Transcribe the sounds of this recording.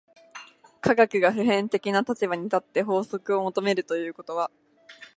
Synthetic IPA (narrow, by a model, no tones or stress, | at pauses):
kʰaɡakɯ̟ɡaɸɯ̟ɦẽ̞nt̪e̞kʲinat̪at͡ɕibaɲ̟it̪at̪ːe̞ɦo̞ːso̞kɯ̟o̞mo̞t̪o̞me̞ɾɯ̟t̪o̞jɯ̟ːko̞t̪o̞β̞a